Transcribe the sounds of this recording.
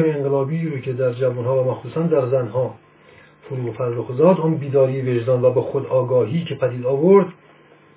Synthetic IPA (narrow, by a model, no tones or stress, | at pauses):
jeeŋɡelɒːbiɾocʰe̞d̪æɾd͡ʒævunhɒːvæmæxsuːsænd̪æɾzænɦɒː | foɾuːɣfæɾloxzɒːd̪ɔːnbiːd̪ɒːɾiːjeve̞ʒd̪ɒːnvæbexod̪ɒːɡɒːɦiːcʰepʰæd̪iːd̪ɒːvoɾd̪